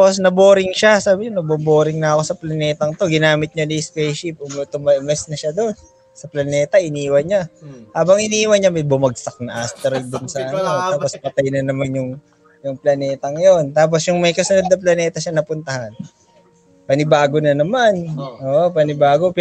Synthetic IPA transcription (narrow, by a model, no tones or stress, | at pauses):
aposnɐboːɾɪŋʃasaːbɪɲonɐboboːɾɪŋnɐɐko̞sɐplɐnɛːt̪ɐŋt̪o̞ɡɪnaːmɪt̪̚ɲanispɛjʃip̚ʔʊmt̪ʊmɐʔmɛsnɐʃad̪on | sɐplɐnɛːt̪ɐʔɪniːwɐɲahaːbɐŋʔɪniːwɐɲamɐjbʊmɐɡsɐk̚nɐʔast̪ɛɾɐj̚d̪onsɐʔɐnnot̪aːppospɐt̪ɐjnɐnɐmanjʊŋ | jʊŋplɐnɛːt̪ɐŋjo̞nt̪aːp̬osjʊŋmɐjkɐsʊnod̪̚nɐplɐnɛːt̪ɐʃanɐpʊnt̪ɐhan | pɐnɪbaːɡo̞nɐnɐmanʔoʔopɐnɪbaːɡo̞p